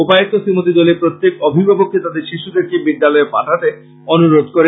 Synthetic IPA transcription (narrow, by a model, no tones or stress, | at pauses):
opaet̪ːosimot̪̬id̪ɔleɾpɾot̪ːjekɔbʱibʱabokːet̪ad̪eɾʃiʃud̪eɾkibid̪ːalɔepaʈʰat̪e | onuɾod̪koɾe